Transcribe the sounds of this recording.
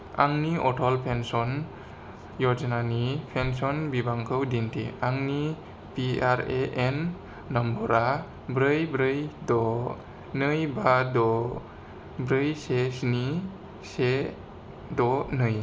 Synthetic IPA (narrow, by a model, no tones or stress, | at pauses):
a̰ŋniʔɔtʰɔlpʰensɔn | jɔd͡ʒnanipʰens̬ɔnbibaŋkʰɯwdintʰḭaŋni | piaɾeʔenː | ɔmbɔɾa | bɾɯjbɾɯjdɔ | nɯjbadɔ | bɾɯjsesni | se | dɔnɯj